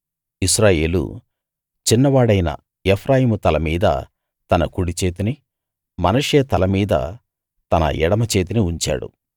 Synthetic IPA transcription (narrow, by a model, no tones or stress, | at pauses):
isɾaːje̞ːlṵ | t͡ʃinːɐʋaːɽɐjnɐ̰ | epʰɾaːjiːmut̪ɐlɐmiːd̪ɐ̰ | t̪ɐnɐkuɽit͡ʃe̞ːt̪ini | mɐnɐʂeːt̪ɐlɐmiːd̪ɐ̰ | t̪ɐnɐ̰ʔɛɽɐmɐt͡ʃe̞ːt̪̬iniuɲt͡ʃa̰ːɽṵ